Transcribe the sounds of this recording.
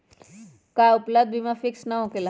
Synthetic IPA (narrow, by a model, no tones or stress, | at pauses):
kaʊpləbd̪̚ʱbʱimãfɪksnaɦõkela